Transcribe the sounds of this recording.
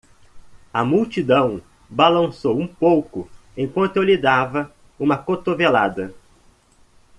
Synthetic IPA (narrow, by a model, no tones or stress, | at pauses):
ɐmuwt͡ʃid̪ɐ̃w̃ | balɐ̃sowũpowkʊ | ẽj̃kwɐ̃nt̪ʊewlid̪avɐ | ũmɐkot̪ovela̰d̪ɐ